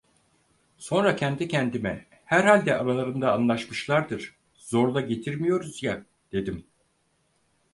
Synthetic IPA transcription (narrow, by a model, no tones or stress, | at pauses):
so̞nɾacʰɛnd̪icʰɛnd̪imɛ | hæɾhalʲd̪ɛʔaɾalˠaɾɯnd̪aːnlˠaʃmɯʃlˠaɾd̪ɯɾ̥ | z̥o̞ɾlˠaɟe̞t̪ʰiɾmijo̞ɾuzja | d̪̥e̞d̪im